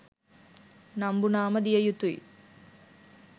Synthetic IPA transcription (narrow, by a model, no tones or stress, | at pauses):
nɐmbunaːmɐd̪ijɐjut̪ːuj